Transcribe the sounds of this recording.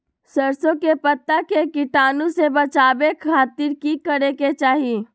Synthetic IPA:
səɾsõkepɐt̪ːakekɪʈaːnũsebɐt͡ʃaːbekʰaːt̪ɪɾkikəɾeket͡ʃaːɦi

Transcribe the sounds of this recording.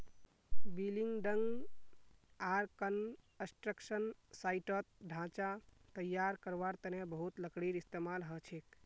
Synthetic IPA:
biliŋɡɖəŋɡ | aɾkən | əsʈɾəksənsaiʈət̪̚ɖʱãt͡ʃat̪əjːaɾkəɾʋaɾt̪ənjãbəɦut̪ləkɽiɾist̪emalɦət͡ʃʰek

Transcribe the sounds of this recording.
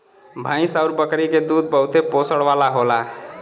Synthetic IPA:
bʱãj̃saʊɾbəkɾiked̪ud̪̚bəɦʊt̪eposəɽʋalaɦola

